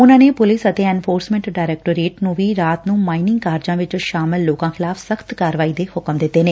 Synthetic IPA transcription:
ʊnãːneːpʊlɪsət̪eːɛːnpʰoːɾsmɛ̃ɳʈɖaːɾɛːk̚ʈoːɾeːʈnũːʋiːɾaːt̪nũːmaːinɪ̃ŋɡkaːɾd͡ʒãːʋɪt͡ʃʃaːmɪlːoːkãːkʰɪlaːpsəkʰt̪kaːɾəʋaːiːd̪eːhʊkəmd̪ɪt̪ːeːneː

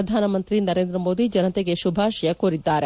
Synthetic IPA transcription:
ɐd̪ʱaːnɐmɐnt̪ɾinɐɾeːnd̪ɾɐmoːd̪id͡ʒɐnɐt̪eɡeʃubʱaːʃɐjɐkoɾid̪ːaːɾe

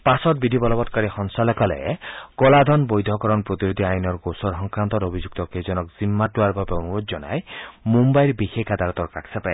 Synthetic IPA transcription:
pasɔt̪̚bidʱibɔlɔbɔtkɔɾixɔŋsalɔkɔlɛ̰kɔlad̪ʱɔnbojd̪ʱɔkɔɾɔnpɾot̪iɾud̪ʱiajnɔɾɡosɔɾɦɔŋkɾant̪ɔɾobʱid͡ʒuk̚t̪ɔkezɔnɔkzimːatuaɾbabeonuɾod͡ʒzɔna̰jmumbajɾbixekad̪aɾɔt̪ɔɾkakʰsapae

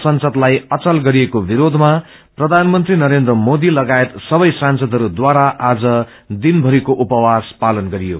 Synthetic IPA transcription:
sʌnsʌd̪lajʌt͡sʌlɡʌɾijekobiɾod̪ʱma | prʌd̪ʱanmʌnt̪rinʌɾend̪ɾʌmod̪ilʌɡaet̪sʌbʌjsansʌd̪ʱʌɾud̪waɾaʔad͡zʌ | d̪inbʱʌɾikoʔupʌwaspalʌnɡʌɾijo

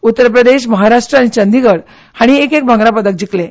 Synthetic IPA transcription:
ut̪ːəɾpɾəd̪eɕ̬məɦaɾaʂʈɾəaɽ̃it͡ɕənd̪iɡəɽ | haɽ̃iekek̚bʱə̃ŋɡɾapəd̪ək̚d͡ʑiklẽ

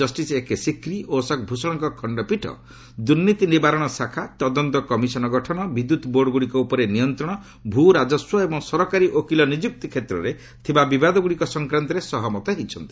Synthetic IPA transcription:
ɔsʈisekesikɾiosɔk̚bʱusɔɽ̃ɔŋkɔkʰɔɳɖɔpiʈʰɔ̰ | d̪uɾnːit̪inibaɾɔɽ̃ɔsakʰat̪ɔd̪ɔnt̪ɔkɔmisɔnɔɡɔʈʰɔnɔbid̪ːut̪ɔboɾɖɔɡuɽikɔupɔɾenijɔnt̪ɾɔɽ̃ɔ | bʱuɾad͡ʒɔswɔebɔŋsɔɾɔkaɾiʔokilɔnid͡ʒuk̚t̪ikʰet̪ɾɔɾe | t̪ʰibabibad̪ɔɡuɽikɔsɔŋkɾant̪ɔɾesɔɦɔmɔt̪ɔɦit͡ʃʰɔnt̪i̥

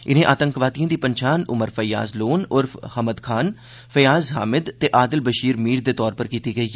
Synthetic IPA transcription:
ɪnẽːʔaːt̪əŋkʋaːt̪ijãːd̪iːpəɲt͡ʃaːnʊ̰məɾfəja̰ːzloːnʊɾfʰhəməd̪kʰaːn | fəjaːzɦa̰ːmɪd̪t̪ːeːʔaːd̪ɪlbəʃiːɾmiːɾd̪eːt̪ɔːɾpəɾkiːt̪iɡəiː

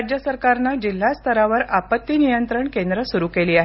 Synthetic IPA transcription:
d͡ʑjəsəɾkaɾnad͡ʑil̤ːast̪ʰəɾaʋəɾapət̪ːiːnijənt̪ɾəɳkend̪ɾəsuɾukeliːaɦ

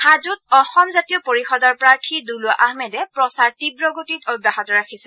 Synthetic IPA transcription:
hazutɔxɔmzatijɔpoɹixɔdɔɹpɹaɹtʰidulʊaʔaɦmɛdɛpɹɔsaɹtibɹɔɡotitobːaɦɔtɔɹakʰisɛ

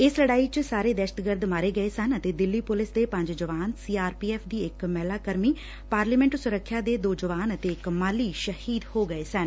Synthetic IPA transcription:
ɪsləɽaːiːt͡ʃsaːɾeːd̪ɛːʃə̥t̪ɡəɾd̪maːɾeːɡəeːsənət̪eːd̪ɪlːiːpʊlɪsd̪eːpə̃ɲd͡ʒd͡ʒəʋaːnsiːaːɾpiːɛːpʰd̪iːɪkmɛːlaːkəɾmiː | paːɾliːmɛ̃ɳʈsʊɾəkʰːjaːd̪eːd̪oːd͡ʒəʋaːnət̪eːɪkmaːliːʃəhiːd̪hoːɡəeːsən

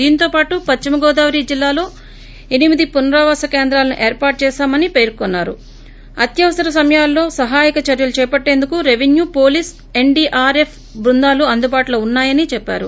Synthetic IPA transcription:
d̪iːnit̪o̞ːpaːʈupɐt͡ʃt͡ʃimɐɡɔːd̪aːʋɾiːd͡ʒilːaːlo̞ː | e̞nimid̪ipunɐɾaːʋaːsɐkeːnd̪ɾaːlɐnuʔeːɾpaːɾʈ̚t͡ʃɛːʃaːmɐnipeːɾkonːaːɾu | ɐt̪jɐʋɐsɐɾɐs̬ɐmɐjaːlːo̞ːsɐɦaːjikɐt͡ʃɐɾjɐlut͡ʃɛːpɐʈːe̞ːnd̪ukuɾe̞ʋenjuːpo̞ːliːs | e̞ɳɖiːʔaːɾepʰ | bɾund̪aːluɐnd̪ubaːʈloːunːaːjɐnit͡ʃɛpːa̰ːɾṵ

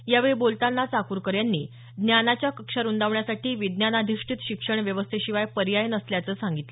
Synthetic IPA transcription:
jaʋeɭibolt̪anːat͡sakuɾkəɾjanːiː | d̪njanat͡ɕjakəkʂaɾund̪aʋɳjasaʈiːʋid̪njanad̪ʱiʂʈʰit̪ɕikʂəɳʋjəʋəst̪ʰeɕiʋajpəɾjajənəsljat͡səːsãŋɡit̪lə

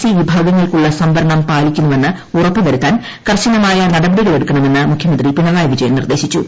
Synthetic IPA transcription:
siʋibʱaːɡɐŋːɐɭkuɭːɐsɐmbɐɾɐɳɐmpaːlikʲːunːuʋe̞nːɨ | urɐpːɨʋɐɾut̪ːaːn | kɐrɕɐnɐmaːjɐnɐɽɐbɐɽiɣle̞ɽukːɐɳɐme̞nːɨmukʰjɐmɐnd̪ripinɐlaːjɐʋid͡ʑɐjɐmnḭrd̪e̞ːɕit͡ɕːṵ

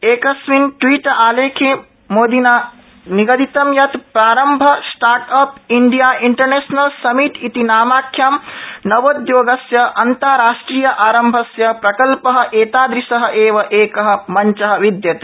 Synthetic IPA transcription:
eːkɐsʋinʈʋiːʈʔaːleːkʰe | moːd̪ina | niɡɐd̪it̪ɐmjɐt̪pɾaːɾɐmbʱɐsʈaːɾʈɐpiɳɖijaːʔiɳʈɐɾneːsnɐlsɐmiʈit̪inaːmaːkʰːjamnɐʋoːd̪joːɡɐsjɐʔɐnt̪aːɾaːʃʈɾijɐʔaːɾɐmbʱɐsjɐpɾɐkɐlpɐɦɐ̆ʔeːt̪aːd̪ɾisɐɦɐ̆ʔeːʋɐʔeːkɐɦɐ̆mɐɲt͡ʃɐɦɐ̆ʋid̪jɐt̪e̥

